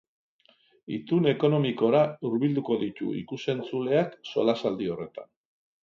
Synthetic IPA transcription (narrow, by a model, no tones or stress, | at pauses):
it̪une̞ko̞no̞miko̞ɾauɾβild̪uko̞ðit̪ṵḭkuse̞nt͡sule̞akso̞̰lasald̪io̞re̞t̪a̰n